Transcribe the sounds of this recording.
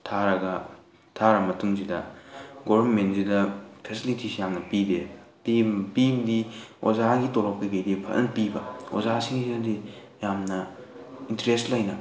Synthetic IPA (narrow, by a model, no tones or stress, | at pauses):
tʰaɾɐɡɐ | tʰaɾɐmɐtuŋsidɐɡobnmentzidɐpʰesilitisijamnɐpidepipibdio̰zaɡitoɾɔp̚kɐɡɐjdepʰɐ̰ʔɐnpibɐo̰zasiŋisiɐdi | jamnɐ | intɾestlɐjnɐ